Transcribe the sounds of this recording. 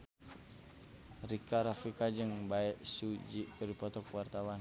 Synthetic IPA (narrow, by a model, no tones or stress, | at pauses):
rikaɾafikad͡ʒɨŋbaɛʔsud͡ʒiʔkərdipɔt̪ɔkwart̪awan